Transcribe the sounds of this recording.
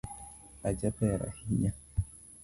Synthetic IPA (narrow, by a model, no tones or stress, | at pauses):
ad͡ʒapɛɾa̰hiɲa